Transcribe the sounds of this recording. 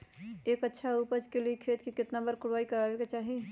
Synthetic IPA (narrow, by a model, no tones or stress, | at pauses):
eːkətːʃʰauːpəd͡ʒkeliekʰeːt̪kikɪt̪nabəɾkʊɽʋaːikəɾaːʋeket͡ʃaːɦi